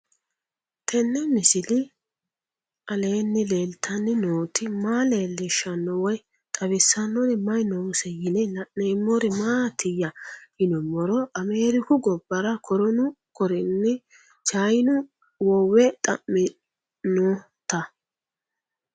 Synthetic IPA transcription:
t̪ʰɛnːɛmɪsɪlɪ | ʔɐle̞ːnːɛleːlt̪ʰɐnːɪnoːt̪ɪmaːle̞ːlːɛʃɐnːɔwɔj | t̪ʼɐβɪsːɐnːɔnɛmɐjnɔsɛjɪnɛlɐʔnɛmːɔɾɪmaːt̪ʰɪjɐhɪnɔmɔɾɔʔɐmeːɾɪkʊɡɔbːɐɾɐkʰɔɾɔnʊ | kɔɾɪnːɛ | t͡ʃaːjnʊ | wɔwɛt̪ʼɐmːɪ | no | t̪ɐ

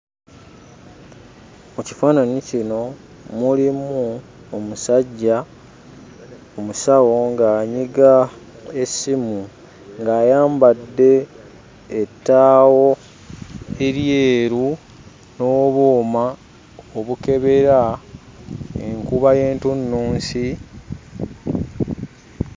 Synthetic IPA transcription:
muci̥faːnanicino̞ | mulimu | omusaɟːa | omusawo̞ŋɡaːɲiɡa | esimu | ŋɡaːjaːmbadːe̞ː | tːaːwo̞ | e̞ɾjeːɾu | no̞ːβoːma | oβuke̞βe̞ɾa | ḛŋkuβaje̞ːntunːuːnsi

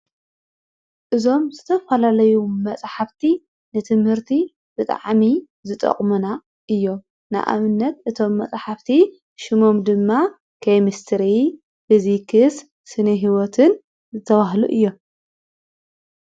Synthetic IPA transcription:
ʔɨzo̞mzɨt̪ʰɐfɐlalɐjumɐt͡sʼħaft̪ʰi | nɨt̪ʰɨmhɨɾt̪ʰi | b̥ɨt̪ʼa̰ʕmi | zɨt̪ʼɐ̰χʼmuna | ʔɨjːo̞ | nɨ̰ʔa̰βɨnːɐt̪ʔɨt̪ʰo̞mːɐt͡sʼħaft̪ʰi | ʃɨmo̞md̪ɨmːa | kʰɐjmist̪ʰɨɾi | fizikʰɨs | sɨnɐɦiwot̪ʰɨn | zɨt̪ʰɐβaɦlṵʔɨjːo̞

